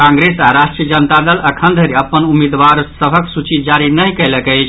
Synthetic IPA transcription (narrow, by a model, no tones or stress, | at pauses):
kãŋɡɾesaɾaʃʈɾiəd͡ʒənt̪ad̪ələkʰənd̪ʱəɾeəpːənumid̪ʋaɾsəbʱəksut͡ʃid͡ʒaɾinəjkələkəjt͡ʃʰ